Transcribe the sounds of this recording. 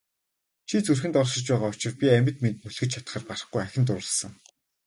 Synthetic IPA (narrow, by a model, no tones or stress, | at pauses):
t͡ɕʰit͡sɵrxɘ̆nt̪ɔɮʃɪ̆t͡ɕpæːʁaːʊt͡ɕɪ̆rpʲiæmʲɪ̆t̪ment̪muɮxɘ̆t͡ɕʰat̪̆χə̆ːrparə̆χɡujaxʲɪ̆nt̪ʊɾə̆ɮsə̆ŋ